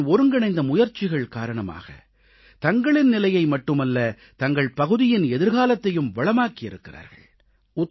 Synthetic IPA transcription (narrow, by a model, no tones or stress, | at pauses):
ɔɾɯŋɡɐɳɐɪnd̪ɐmʊjɐɾt͡ʃːɪɣɐɭkaːɾɐɳɐma̰ːɣɐ̰ | t̪ɐŋɡɐɭɪnnɪlɐjɐɪmɐʈːɯmɐlːɐ | t̪ɐŋɡɐɭpɐɣɯðɪjɪnɛðɪɾɣaːlɐt̪ːɐjɯmʋɐɭɐmaːkɪjɪɾɯkːɪra̰ːɾɣɐ̰ɭ | ʊt̪ː